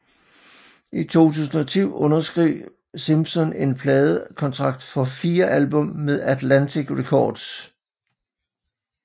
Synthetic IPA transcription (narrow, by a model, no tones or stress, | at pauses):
ʔit͡sʰo̝̰ːt͡sʰṵːsn̩ɒ̽t͡sʰyʊ̰ʔɔ̽nɐsɡ̥ʁiʊ̰ | simsɒ̽ne̝npʰlɛːð̞ˠəkʰɒ̽nt͡sʰʁɑ̈ɡ̥̚d̥fɒ̽fiːɐʔælb̥ɔ̽mːeðˠæd̥lænt͡sʰiɡ̥ʁɛkʰɒːd̥s